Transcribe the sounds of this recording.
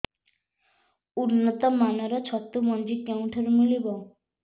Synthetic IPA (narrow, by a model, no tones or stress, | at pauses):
unːɔt̪ɔmanaɾat͡ɕʰɔt̪ːumɔnd͡ʑikew̃ʈʰɔɾmilibɔ